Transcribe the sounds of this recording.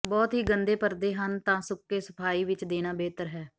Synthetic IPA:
bɔːt̪ɦiːɡənd̪eːpəɾd̪eːɦənt̪ãːsʊkːeːsəpʰaːiːʋɪt͡ʃd̪eːnaːbɛːt̪əɾɦɛː

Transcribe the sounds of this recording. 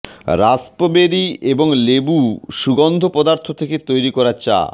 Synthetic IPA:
ɾaspobeɾieboŋlebuʃuɡond̪ʱopɔd̪aɾt̪ʰot̪ʰeket̪ojɾikɔɾat͡ɕa̰

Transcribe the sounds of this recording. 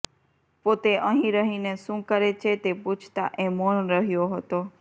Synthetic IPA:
pot̪eʔəɦĩɾəɦineʃũkəɾet͡ʃʰet̪epũt͡ʃʰt̪a̰ʔẽmonɾəɦjoɦət̪o

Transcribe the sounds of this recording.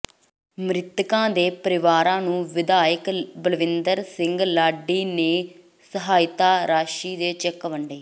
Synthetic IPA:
mɾɪt̪kãːd̪eːpəɾɪʋaːɾãːnũːʋɪd̪aːjəkbəlʋɪnd̪əɾsɪ̃ŋɡlaːɖːiːneː | səɦaːɪt̪aːɾaːʃiːd̪eːt͡ʃɛkʋəɳɖeː

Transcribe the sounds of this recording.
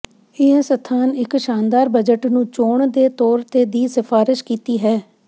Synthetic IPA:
ɪɛ̃sət̪ʰːaːnɪkʃaːnd̪aːɾbəd͡ʒəʈnũːt͡ʃoːɳd̪eːt̪ɔːɾt̪eːd̪iːsɪfʰaːɾɪʃkiːt̪iːɦɛː

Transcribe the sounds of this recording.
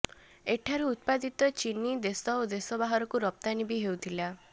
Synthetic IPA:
eʈʰaɾuːt̪̚pad̪it̪ɔt͡ʃinid̪esɔod̪esɔbaɦɔɾɔkuɾɔp̚t̪anibiɦewt̪ʰila

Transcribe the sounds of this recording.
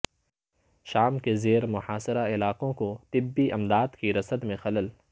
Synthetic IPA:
ʃaːmkezeːɾmʊhaːsɪɾaɪlaːqõkot̪ɪbːiʔɐmd̪aːd̪kiɾɐsəd̪mẽxɐləl

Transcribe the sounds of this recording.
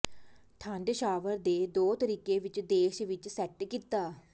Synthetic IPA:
t̪ʰãːɳɖʃaːʋəɾd̪eːd̪oːt̪əɾiːkeːʋɪt͡ʃd̪eːʃʋɪt͡ʃsɛʈkiːt̪aː

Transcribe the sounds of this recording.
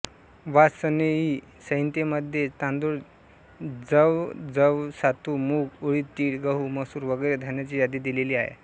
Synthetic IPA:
ʋasəneɦi | səɦjnt̪eməd̪ʱːjet̪ãnd̪uɽ | d͡zəʋd͡zəʋsat̪umuːɡuɭiːt̪ːiːɽɡəɦuməsuːɾʋəɡəjɾed̪ʱanjat͡ɕiːjad̪iːd̪ileliːaɦḛ

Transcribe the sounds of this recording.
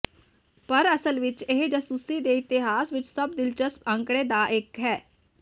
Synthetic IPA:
pəɾəsəlʋɪt͡ʃeɦd͡ʒəsuːsid̪eːɪt̪ɪɦaːsʋɪt͡ʃsəbd̪ɪlt͡ʃəspə̃ŋkɽ̃eːd̪aːʔɪkɦɛː

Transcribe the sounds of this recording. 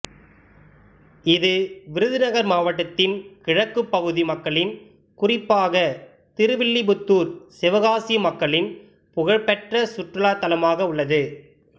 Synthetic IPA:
ɪðɯʋɪɾɯðɯnɐɣɐɾmaːʋɐʈ̬ːɐt̪ːɪnkɪɻɐkːɯpːɐɣɯðimɐkːɐɭɪn | kʊrɪpːaːɣɐ | t̪ɪɾɯʋɪɭːibʊt̪ːuːɾsɪʋɐɣaːsimɐkːɐɭɪn | pʊɣɐɻpɛʈrɐsʊʈrɐɭaːt̪ːɐlɐmaːɣɐʊɭːɐðɯ

